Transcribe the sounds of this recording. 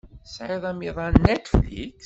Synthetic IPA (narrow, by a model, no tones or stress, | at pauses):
sʕɪðˤæmiðˤɑnːet̪flḭks